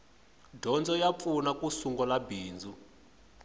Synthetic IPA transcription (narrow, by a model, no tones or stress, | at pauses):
dʱɔnd͡zʱɔjap̪funakʼusuŋɡɔlabiːnd͡zʱu